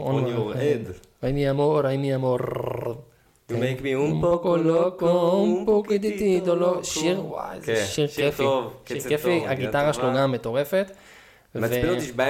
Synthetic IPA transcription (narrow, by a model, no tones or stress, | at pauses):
o̰ned | aimiamoɾaimiamoɾ | mekmiumokolokompukid̪it̪id̪oloʃiʁwa̰zeʃiʁʃkefivʃʃiʁkefiaɡit̪aʁaʃeloɡamːet̪o̞ʁe̞fet̪ | veb